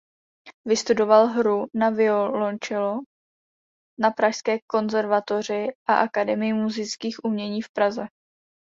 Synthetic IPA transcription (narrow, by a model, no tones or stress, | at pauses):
vɪst̪udo̞valɦɾunavɪolont͡ʃɪlo | napɾaʃskɛːko̞nzɛɾvat̪o̞r̝ɪʔaʔakadɛmɪjɪmuzɪt͡skiːxʔumɲɛɲiːfpɾazɛ